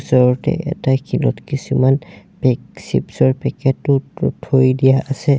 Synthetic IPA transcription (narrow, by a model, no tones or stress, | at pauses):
sɔɹɔtɛ̰ʔɛ̰takʰilɔtkisumanpɛksḭpsɔɹpɛkɛtːʊtʰojdijaʔasɛ